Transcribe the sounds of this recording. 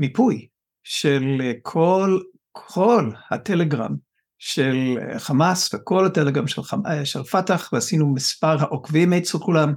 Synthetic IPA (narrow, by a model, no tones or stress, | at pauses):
mipuj | ʃelkʰol | kʰolha̰teleɡʁa̰m | ʃelχamasveko̞lhateleɡʁamʃḛlaʃelfataχvehasinumispaʁɦaʔokvimet͡selkulam